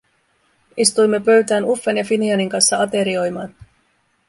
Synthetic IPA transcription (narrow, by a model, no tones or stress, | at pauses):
ist̪ujmːe̞pø̞ɥt̪æːnufːenjɑfiniɑniŋkɑnsːɑɑt̪e̞ɾio̞jmɑːn